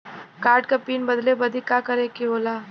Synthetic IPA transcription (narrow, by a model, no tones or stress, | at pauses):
kaːɾʈkapiːnbɐd̪lebɐd̪ʱikakɐɾekioːlaː